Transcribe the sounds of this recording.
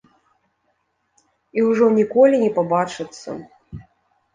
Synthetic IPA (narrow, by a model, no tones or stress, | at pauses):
iwʐɔnʲikɔlʲinʲɛpabat͡ʂɨt̪sːɐ̰